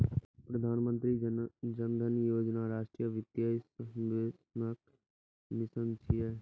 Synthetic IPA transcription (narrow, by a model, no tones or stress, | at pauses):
pɾɐd̪ʱaːnmə̃nt̪ɾid͡ʒənd̪ʱənjoːd͡ʒnaɾaːʃʈɾijəʋɪd̪jaːsəʋeːsnək | nɪsənt͡ʃʰiɛ